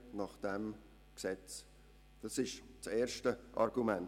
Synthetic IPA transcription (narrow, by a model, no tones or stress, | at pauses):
nɑχd̥ɛm | ksɛt͡s | d̥ɑsɪʃt͡sɛːrʃtəʔɑ̰rɡ̥umæn